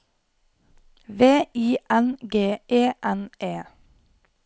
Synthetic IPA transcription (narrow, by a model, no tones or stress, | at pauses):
ʋeːiːʔænɡeːʔeːʔæneː